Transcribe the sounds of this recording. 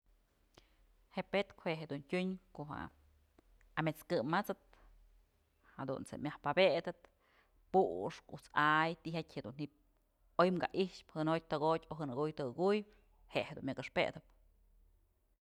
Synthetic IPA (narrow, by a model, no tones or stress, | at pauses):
heʔpet̪kheʔɦed̪untʲuɲkoɦa̰ | amet͡skɨmːat͡sɨt̪̚ | had̪ṵnt͡sḛmʲahpabeʔd̪ɨt̪ | puʔʂkut͡sajt̪iɦakʲhed̪unhip̚ | ojmka̰ʔiʂphɨnoj̚ʲt̪ɨɡotʲoɦɨnɨɡujt̪ɨɨɡuj | heʔhed̪ṵnmʲakɨʂpḛd̪ɨp